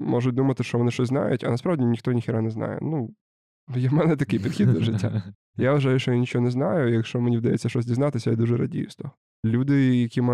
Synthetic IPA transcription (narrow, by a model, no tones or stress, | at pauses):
mɔʐʊt̚ʲd̪umɐt̪ɪʃt͡ʃɔʋɔnɪʃt͡ʃɔsʲzna̰jʊtʲɐ̰nɐspɾaʋdʲinʲixt̪ɔnʲixʲɪɾanɛznɑ̰jɛ̰nu | jamɛnɛt̪ɐkɪjpʲid̪̥xʲid̪lɐʒɪtʲːa̰ | jaʋʋɐʒajʊʃt͡ʃɔjanʲit͡ʃɔɦɔnɛznajʊjɐkʃt͡ʃɔmenʲiʋd̪ɐjḛt͡sʲːɐʃt͡ʃɔzʲdʲiznat̪ɪsʲɐjɛd̪uʐɛɾɐ̰dʲḭjst̪ɔ | lʲud̪ɪjɐkʲim